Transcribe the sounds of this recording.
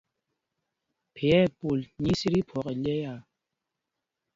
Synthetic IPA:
pʰe˨ɛ˦˨pu˨lɲi˦si˦ɾi˦pʰɔ˨˦ke˨lɛ˦ja˦˨

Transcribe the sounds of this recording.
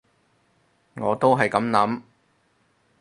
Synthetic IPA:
ŋɔː˨˧t̪o˥wɦɐ˨jkɐ˨˥mnɐ˨˥m

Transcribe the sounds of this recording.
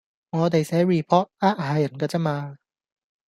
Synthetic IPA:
ŋɔː˨˧t̪e˨jsɛː˨˥ŋɹiː˨˩pʰɔː˥t̚aː˥ʔ̚haː˨˥jɐ˨˩nkaː˧t͡sɛː˥maː˧

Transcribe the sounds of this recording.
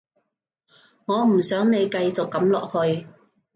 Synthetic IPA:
ŋɔː˨˧m̩˨˩sœː˨˥ŋne˨˧jkɐ˧jt͡sʊ˨kːɐ˨˥mlɔ̰ː˨k̚hɵ˧ɥ

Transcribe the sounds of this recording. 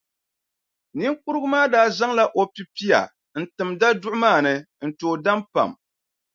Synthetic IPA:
ni˦ŋku˦ɾɨ˦ɡʊ˦maː˦daː˦za˦ŋla˦ʔo˨pi˨pi˦ja̰˨ | n̩˨tɨ˨mda˦dʊ˦ʔʊ˦maː˦˨nɨ˨ | n̩˨toː˨da˦mpa̰˨m

